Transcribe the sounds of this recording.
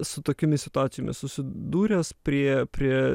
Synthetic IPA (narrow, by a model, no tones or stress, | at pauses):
sʊt̪oːkʲomʲɪssʲɪt̪ʊɑːt̪sʲjoːmʲɪ̰ssʊsʲɪd̪uːɾʲeːspʲɾʲiɛpʲɾʲiɛ